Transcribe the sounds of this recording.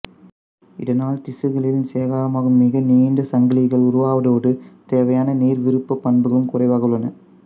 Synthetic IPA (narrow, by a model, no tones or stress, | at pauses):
ɪðɐnaːlt̪ɪsɯɣɐɭɪlɪnseːɣaːɾɐmaːɣɯmːɪɣɐniːnd̪ɐsɐŋɡɐlɪɣɐɭʊɾʊʋaːʋɐðoːɽɯt̪eːʋɐjaːnɐneːɾʋɪɾɯpːɐpːɐɳbɯɣɐɭɯmkʊrɐɪʋaːɣɐɯɭːɐnɐ